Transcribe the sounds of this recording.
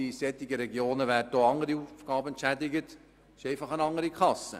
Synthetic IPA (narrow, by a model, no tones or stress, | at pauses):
isɛtɪɡəɾɛɡjoːnəʋært̚d̥oɑŋəɾiufɡ̥ɑːbəɛntʃædɪɡət | ʃɛɪfɑχənɑŋəɾikʰɑsə̰